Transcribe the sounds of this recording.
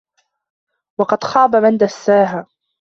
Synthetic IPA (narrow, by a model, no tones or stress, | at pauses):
wɑqɑd̪xɑːbamand̪asːaːɦaː